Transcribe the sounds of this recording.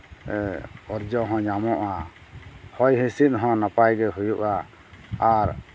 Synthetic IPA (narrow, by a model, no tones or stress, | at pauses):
ɛɔɾd͡ʒɔɦɔ̃ɲamɔʔa | hɔjɦĩsit̪̚ˀɦɔ̃napajɡɛɦujuʔa | aɾ